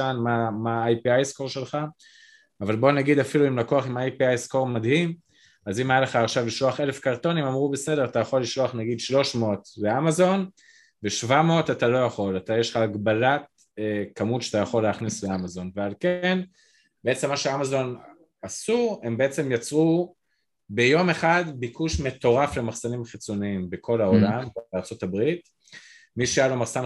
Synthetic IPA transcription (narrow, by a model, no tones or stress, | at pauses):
anmamaajpiajsko̞ʁʃe̞lχa | avalbo̞naɡid̪afiluimlakoaχimaajpiajsko̞ʁmadhim | azimajaleχaːχʃavliʃloaχe̞le̞fkaʁt̪o̞nimamʁube̞se̞de̞ʁatajaχo̞lːiʃloaχnaɡid̪ʃlo̞ʃmeotleamazo̞n | veʃvamotatalo̞jaχo̞latajeʃlχaːɡbalat̚ | ekamutʃatajaχo̞lːeaχnisleamazo̞nvealke̞n | beet͡semːaʃeamazo̞n | asue̞mbeet͡se̞mjat͡su | be̞jo̞me̞χadbikʰuʃme̞to̞ʁafle̞maχsanimχit͡so̞niimbekʰo̞lao̞lambeaʁt͡so̞tabʁit | miʃajalomaχsan